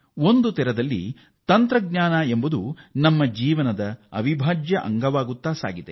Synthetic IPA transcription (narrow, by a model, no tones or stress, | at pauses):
o̞nd̪ut̪ɛɾɐd̪ɐlːḭ | t̪ɐnt̪ɾɐɡɲaːnɐembud̪unɐmːɐd͡ʒiːʋɐnɐd̪ɐɐ̰ʋibʱaːd͡ʒjɐʔɐ̰ŋɡɐʋaːɡut̪ːaːsa̰ːɡid̪e